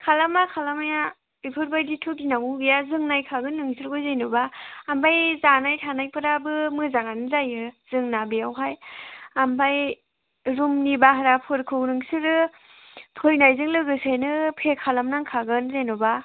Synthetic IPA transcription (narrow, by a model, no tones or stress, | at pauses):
kʰalamakʰalamaja | ipʰɯɾbajditʰuɡinaŋuɡijazɯŋnajkʰaɡɯnːɯŋsɯɾkɯjzejnubaːmbajzanajtʰanajpʰɯɾabɯmɯzaŋanɯzajɯz̥ɯŋnabijawɦajambaj | ɾumnibaɦaɾapʰɯɾkʰɯwnɯŋsɯɾɯ | pʰɯjnajzɯŋlɯɡɯsajnɯpʰekʰalamnaŋkʰaɡɯnzenɔba